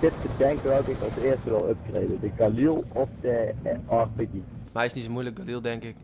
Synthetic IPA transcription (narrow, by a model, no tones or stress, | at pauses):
d̥ɪtbədɛŋkəʋalkɪkɑlˠsɪːstəʋɪlˠɔp̚trḛːdədəɡalilˠɔfdəɑrpəɡi | mɛjɪsnitsomujlək̚ɡalilˠdɛŋkɪk